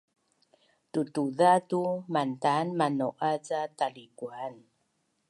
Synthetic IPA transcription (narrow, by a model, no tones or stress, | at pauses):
tutuðatumantanmanoʔat͡satalikuan